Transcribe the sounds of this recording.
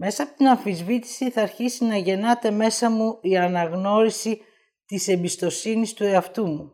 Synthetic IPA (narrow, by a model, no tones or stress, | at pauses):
me̞sɐɐːpot̪inɐɱfizvit̪i̥siθɐːɾçisinɐʝe̞nɐt̪e̞me̞sɐmuiɐnɐɣno̞ɾisi | t̪ise̞mbist̪o̞sinist̪ue̞ɐft̪umu